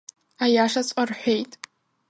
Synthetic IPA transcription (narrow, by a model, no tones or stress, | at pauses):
ajaʂat͡sʷʼarħʷejtʼ